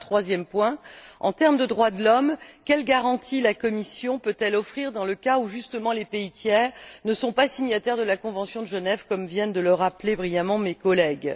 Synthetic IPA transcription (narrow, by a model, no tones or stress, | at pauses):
t̪χwazjɛmpwɛ̃ɑ̰̃t̪ɛʁmd̪əd̪ʁwad̪əlɔmkʲɛlɡaʁɑ̃t̪ʰilakɔmisjɔ̃pøt̪ɛlɔfχiʁd̪ɑ̃ləkauʒyst̪əmɑ̃lepeit̪jɛʁnəsɔ̃pasiɲat̪ɛʁd̪əlakɔ̃vɑ̃sjɔ̃d̪əʒənɛvkɔmvjɛnd̪ələʁaplebʁijamɑ̃mekɔlɛɡ